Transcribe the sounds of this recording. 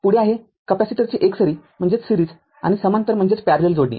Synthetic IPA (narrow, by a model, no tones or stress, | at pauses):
puɽ̤eaɦe | kəpasiʈəɾt͡ɕiːʔeksəɾiːm̤əɳd͡zet͡ssiɾiːd͡z | a̰ñisəmant̪əɾm̤əɳd͡zet͡spæaɾleld͡zoɽnḭ